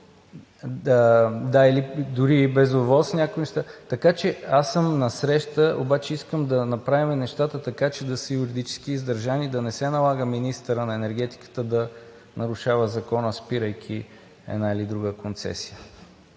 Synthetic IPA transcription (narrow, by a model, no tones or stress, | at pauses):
d̪ailid̪ʊɾibɛzovɔlˠsnʲakkʊinɛʃt̪at̪ɐkat͡ʃɛasəmnɐsɾɛʃt̪əʔobat͡ʃɛiskəmd̪ɐnɐpɾavimɛnɛʃt̪at̪ət̪ɐkat͡ʃɛd̪ɐsəjʊɾid̪it͡ʃɛ̥skiːzd̪ɐɾʒanid̪ɐnɛsɛnɐlˠaɡəminist̪əɾənɐɛnɛɾɡ̟ɛt̪i̥kə̥t̪əd̪ɐ | nɐɾʊʃavəzɐkɔnəspiɾəjk̟ʲʰi | ɛ̰d̪nailid̪ɾuɡəkont̪sɛ̰sijə